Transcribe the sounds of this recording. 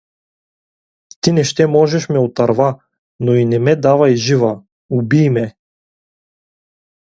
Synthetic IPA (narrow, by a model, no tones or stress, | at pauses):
t̪inɛʃt̪ɛmɔʒɛʃmɛut̪aɾva | nɔinɛmɛd̪avajʒiva | ubiːmɛ